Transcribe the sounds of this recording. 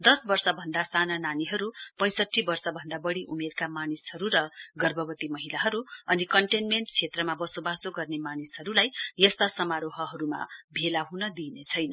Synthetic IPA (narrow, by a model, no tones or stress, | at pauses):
d̪ʌsbʌrsʌbʱʌnd̪asanananiɦʌɾupʌ̃j̃sʌʈʰːibʌrsʌbʱʌnd̪abʌɽiʔumerkamanishʌɾuɾʌɡʌrbʱʌbʌt̪imʌɦilaɦʌɾuʌnikʌɳʈenmeɳʈt͡sʰet̪rʌmabʌsobasoɡʌrnemanishʌɾulajjʌst̪asʌmaɾoɦʌɦʌɾuma̰bʱelaɦunʌd̪inet͡sʰʌjnʌ